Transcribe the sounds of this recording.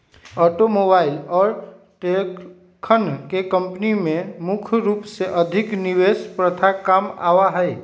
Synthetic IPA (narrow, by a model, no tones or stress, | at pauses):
ɔːʈomoːbaːɪlɔːɾ | ʈe | kʰənkekə̃mpnimẽmʊkʰɾuːpseʔəd̪ʱɪkniwespɾət̪ʰakaːma̰ːwaɦɛɪ